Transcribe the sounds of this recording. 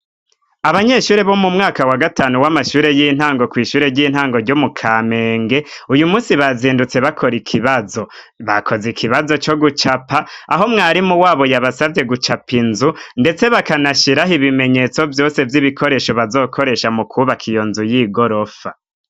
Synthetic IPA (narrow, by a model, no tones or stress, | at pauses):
aβaɲe̞ːʃuːɾe̞βo̞mumŋaːkawaɡataːnuwamaʃuːɾe̞jin̥haːŋɡo̞kwiːʃuːɾe̞ɾɟiːn̥haːŋɡo̞ɾɟomukʰame̞ːŋɡe̞ujumuːsiβaziːndut͡se̞βakʰo̞ɾikʰiβazo̞ | βakʰo̞zikʰiβazo̞t͡ʃo̞ɡut͡ʃapaːɦo̞mŋaːɾimuwaːβo̞jaβasavje̞ɡut͡ʃapinzunde̞t͡se̞βakanaʃiɾaɦiβime̞ɲe̞t͡so̞vjo̞ːse̞vjiβikʰo̞ɾe̞ːʃo̞βazo̞ːkʰo̞ɾe̞ʃamukʰuβakʰijo̞nzujiːɡo̞ɾo̞fa